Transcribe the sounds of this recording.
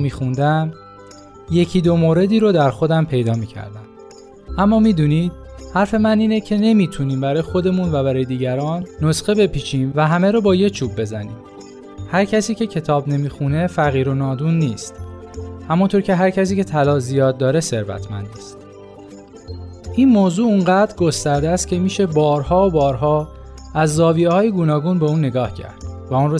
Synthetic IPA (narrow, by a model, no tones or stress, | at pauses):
miːxund̪æm | je̞cʰiːd̪o̞moːɾe̞d̪iːɾod̪æɾxo̞d̪æmpʰe̞jd̪ɒːmiːcʰæ̰ɾd̪æm | ʔæmːɒːmiːd̪uːniːd̪̥̚hæɾfe̞mæniːnecʰe̞ne̞miːt̪ʰuniːmbæɾɒːjexo̞d̪e̞muːnvæbæɾɒːjed̪iːɟæɾɒːnːosxe̞be̞pʰiːt͡ʃʰiːnvæɦæmeɾobɒːje̞t͡ʃʰuːb̚ːe̞zænḭːm | hæɾcʰæsiːcʰe̞cʰe̞t̪ʰɒːbne̞miːxune̞fæɣiːɾo̞nɒːd̪unːiːst̪ | hæmunt̪ʰoɾcʰe̞ɦæɾcʰæs̬iːcʰe̞t̪ʰælɒːzijɒːd̪̚ːɒːɾese̞ɾvæ̰t̪ʰmæ̰nd̪ist̪ | ʔiːnmoːzuːuŋɢæd̪ɾɡo̞st̪æɾd̪eæst̪̚cʰe̞miːʃe̞bɒːɾhɒːobɒːɾɦɒː | æzːɒːviehɒːjeɡuːnɒːɡuːnbeuːnːe̞ɡɒːhcʰæ̰ɾd̪̥væunro